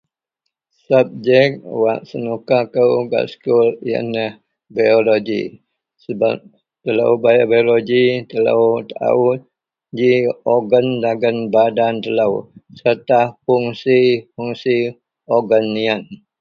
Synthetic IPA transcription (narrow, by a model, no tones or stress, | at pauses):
sap̚d͡ʒɛk̚t̪̚wa̰ʔsənukakəwɡa̰skuliə̰nəh | baoloɡḭ | səba̰ | t̪ələ̰wbajabajoloɡit̪ələ̰wt̪a̰ut̪̚ | d͡ʒioɡəndaɡənbadant̪ələwsərt̪afuŋsifuŋsi | oɡənːian